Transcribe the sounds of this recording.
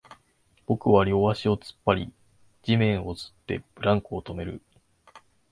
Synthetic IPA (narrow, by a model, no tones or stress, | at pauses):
b̥o̞kɯ̟βaɾʲo̞aɕio̞t͡sɨ̥pːaɾʲḭ | d͡ʑimẽ̞ɰ̃o̞zɨ̥t̪ːe̞̰b̥ɯ̟ɾãŋkɯot̪o̞me̞ɾɯ̟̰